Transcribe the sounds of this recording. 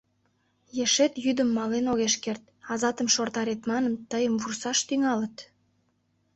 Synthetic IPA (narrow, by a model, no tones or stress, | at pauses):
jeʃet̪jyd̪əmːɑlenoɣeʃkert̪̚ | ɑzɑt̪əmʃort̪ɑɾet̪mɑnəmt̪əjəmvursɑʃt̪yŋɑlət̪